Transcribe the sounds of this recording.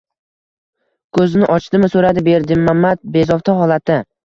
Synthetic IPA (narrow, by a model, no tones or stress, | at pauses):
kʰɵznɪʔɒt͡ʃt̪ɪmɪsɵɾad̪ɪbe̞ɾd̪ɪmːamːat̪̚be̞zɒft̪ʰaɦɒlˠat̪ːɪ